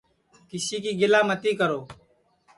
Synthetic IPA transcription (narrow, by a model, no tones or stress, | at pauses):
kɪsiːkiːɡɪlaːmət̪iːkəɾoː